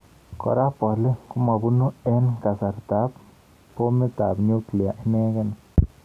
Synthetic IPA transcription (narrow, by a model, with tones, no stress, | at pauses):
ko̰˨ɾa˦po˨ɾli˦ku˦ma˨bu˦nu˦e˦nka˨sa˨ɾt̪a˨˦b | po˦mi˦t̪a˨bnju˦kli˨a˨ʔne˦ɡa˦na˨